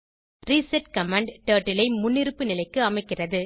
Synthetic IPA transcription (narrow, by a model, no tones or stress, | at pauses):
riːsɛʈkɐmaːɳɖʈeːʈːɪlɐɪmʊnːɪɾɯpːɯnɪlɐɪkːɯɐmɐɪkːɪrɐðɯ